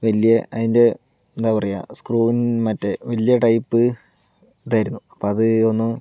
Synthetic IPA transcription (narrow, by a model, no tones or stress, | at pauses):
ʋɐlijɐʔɐðinde̞ | end̪aːpɐrɐja̰ːskruːʋinmɐtːeʋɐlijɐʈɐjpːɨ | d̪aːjiɾunːuɐpːoːɐðɨo̞nːɨ